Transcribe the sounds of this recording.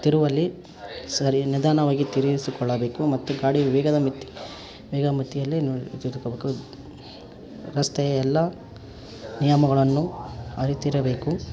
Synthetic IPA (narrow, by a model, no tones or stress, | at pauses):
t̪iɾuʋɐlːi | sɐɾinid̪aːnɐʋaːɡit̪iɾiisukɔɭːɐbeːkumɐt̪ːuɡaːɽiʋʋɛːɡɐd̪ɐmit̪ːi̥ | ʋɛːɡɐmit̪ːijɐlːit̪id̪ukbeːku | ɾɐst̪ɛjɐɛlːɐ | nijɐmɐɡɐɭɐnːuɐɾit̪iɾɐbe̞ːku